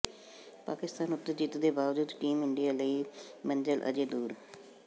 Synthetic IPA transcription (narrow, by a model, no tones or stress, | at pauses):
paːkɪst̪aːnʊt̪ːəɾd͡ʒiːt̪d̪eːbaːʋd͡ʒuːd̪ʈiːmɪɳɖijaːləiːməɲd͡ʒəlʔə̰d͡ʒeːd̪uːɾ